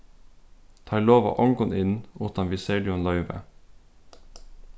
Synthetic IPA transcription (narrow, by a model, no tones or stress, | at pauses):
t̪ʰɑːɾloːʋɑ̰ːʔɔŋɡʊnɪnuːt̪ɑnʋɪseːlɪɔnlœʏʋə̰